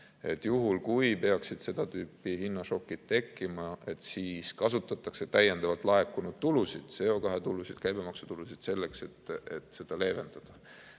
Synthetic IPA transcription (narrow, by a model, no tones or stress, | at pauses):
e̞t̪ːˑjuɦulkujpe̞ɑksid̪̥se̞d̪̥ɑt̪yːpːˑihinːɑʃo̞kːˑid̪̥̚t̪e̞kːimɑe̞t̪ːsiːskɑsut̪ːˑɑt̪ːˑɑkse̞t̪æje̞nd̪̥ɑvɑlt̪lɑe̞kːˑunud̪̥̚t̪ulusid̪̥se̞o̞kɑɦe̞t̪ulusid̪̥kæjbe̞mɑksu̥t̪ulusid̪̥se̞lːe̞kse̞t̪et̪se̞d̪̥ɑle̞ːve̞nd̪̥ɑd̪̥ɑ